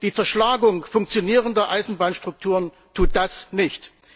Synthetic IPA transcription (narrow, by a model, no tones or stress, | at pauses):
d̥iːt͡sɛɐʃlaːɡʊŋfʊŋkt͡sjoniːʁəndɐʔaɪzn̩baːnʃtʁ̥ʊk̚tʰuːʁən | tʰuːt̚d̥asnɪçt